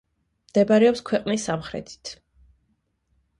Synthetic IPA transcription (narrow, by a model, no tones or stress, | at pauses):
md̪̥ɛbaɾɛɔpskʰwɛqʼnisːamχɾɛ̰t̪ʰi̥t̪ʰ